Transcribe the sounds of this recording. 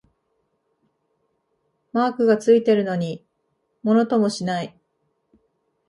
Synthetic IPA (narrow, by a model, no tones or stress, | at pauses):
maːkɯ̟ɡat͡sɨit̪e̞ɾɯ̟no̞ɲ̟i | mo̞no̞t̪o̞mo̞ɕinai